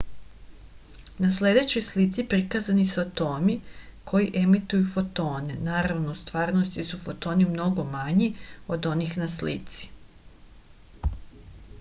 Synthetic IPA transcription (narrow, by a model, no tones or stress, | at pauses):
nasle̞d̪e̞t͡ɕojslit̪sipɾikaːzanisuat̪o̞ːmikʰo̞jiʔe̞mit̪ujufo̞t̪o̞ːne̞naːɾaʋnost̪ʋaːɾno̞st̪isufo̞t̪o̞ːnimno̞ɡo̞maɲio̞d̪o̞niːxnaslḭt̪si̥